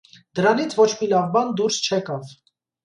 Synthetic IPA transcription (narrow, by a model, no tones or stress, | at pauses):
d̪əɾɑnit͡sʰvɔt͡ʃʰmilɑvbɑnd̪uɾst͡ʃʰɛkɑv